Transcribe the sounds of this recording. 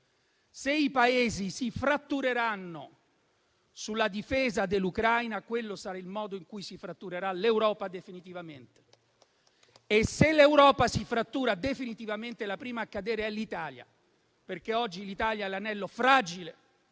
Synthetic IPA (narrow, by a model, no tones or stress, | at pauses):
seipaeːzisifɾat̪ːuɾeɾanːo | sulːad̪ifeːzad̪elːukɾajnakwelːosaɾailmɔːd̪oiŋkujsifɾat̪ːuɾeɾalewɾɔːpad̪efinit̪ivament̪e̥ | eselewɾɔːpasifɾat̪ːuːɾad̪efinit̪ivament̪elapɾiːmaːkːad̪eːɾeɛlːit̪aːlja̰ | perk̟eɔd͡ʒːilit̪aːljaɛlanɛlːofɾaːd͡ʒile